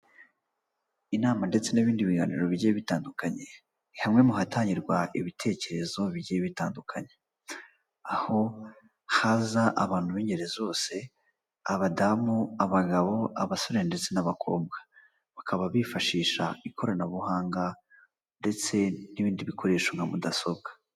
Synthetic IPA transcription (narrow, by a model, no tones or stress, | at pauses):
inaːmande̞t͡se̞niβiːndiβiɡanḭɾo̞βiɟijeβitaːndukaɲe̞ | hamŋe̞muɦatʰaːɲiɾɡwaʔiβitʰe̞ːce̞ɾe̞zo̞βiɟijeβitaːndukʰaɲe̞ | aho̞ | hazaʔa̰βaːn̥huβiːɲɟe̞ɾe̞zo̞ːse̞ | aβadamuaβaɡaβo̞ʔaβaso̞ɾeɾnde̞t͡se̞naβakʰo̞̰ːbɡḁ | βakʰaβaβifaʃiːʃa̰ikʰo̞ɾanaβuhaːŋɡa | nde̞t͡se̞niβiːndiβikʰo̞ɾe̞ːʃo̞ŋɡamudaso̞bɡḁ